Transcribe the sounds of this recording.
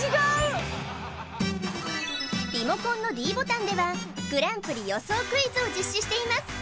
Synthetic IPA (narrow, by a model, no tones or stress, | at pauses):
iɡo | bʲimo̞kõ̞nːo̞ɾʲiːbo̞t̪ãnd̪e̞βaɡ̥ɯ̟ɾãmpɯ̟ɾʲijo̞so̞ːkɯ̟izɨo̞d͡ʑɨɕːɨɕi̥t̪e̞imasɨ̥